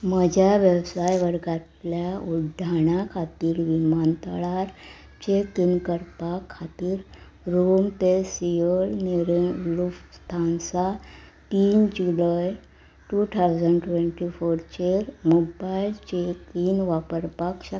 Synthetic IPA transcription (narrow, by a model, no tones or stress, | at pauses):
məd͡ʑʱjaʋjewsajʋəɾɡat̪ljauɖʱaɽ̃akʰat̪iːɾʋimant̪əɭaɾ | t͡ɕekinkəɾpakʰːat̪iːɾ | ɾumpesiəlniɾlufst̪ʰansat̪iːnd͡ʑulaj | ʈut̪ʰawd͡zəɳɖʈʋeɳʈifoɾt͡ɕeɾmobailt͡ɕekinʋapəɾpakɕə